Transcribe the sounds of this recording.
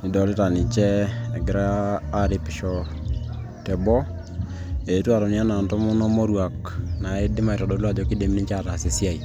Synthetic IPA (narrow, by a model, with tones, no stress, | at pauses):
ɪ˨dɔ˨li˦ta˨nɪ˨t͡ʃɛ˦˨ɡɪ˨ɾaː˦ɾɪ˨pɪ˨ʃɔ˨ | tɛ˨bɔ˦ | e˨˦twa˨ɾɔ˨ni˦a˦na˨ntɔ˦mɔ˦nɔ˦mɔ˦ɾwa˨k | na˨e˦dɪ˦ma˨i˨ɾɔ˨dɔ˨lwa˦˨d͡ʒɔ˨ki˦de˨mi˦ni˦t͡ʃa˦˨ta˨se˨si˦a˦˨i˨